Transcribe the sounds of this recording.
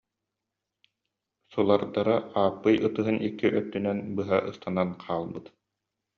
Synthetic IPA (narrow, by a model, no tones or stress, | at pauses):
sulˠaɾd̪aɾaaːpːɯjɯt̪ɯɦɯnikːiʔœt̪ːynɛnbɯɦaʔɯst̪ananqʰaːlˠbɯt̪